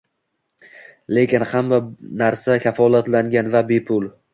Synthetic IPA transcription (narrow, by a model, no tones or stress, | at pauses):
le̞kʲɪnhamːanaɾsakʲʰafɒlat̪laŋɡʲanvabe̞pʰʊl